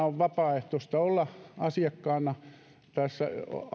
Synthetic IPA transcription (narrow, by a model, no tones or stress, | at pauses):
oʋʋɑpɑːeht̪ost̪ɑolːɑɑsiɑkːɑːnɑ | t̪æsːæ̰